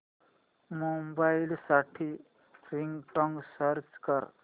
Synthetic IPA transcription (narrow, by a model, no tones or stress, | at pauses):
mombajlsaʈʰi | riŋɡʈʌŋɡsʌɾt͡ʃkʌr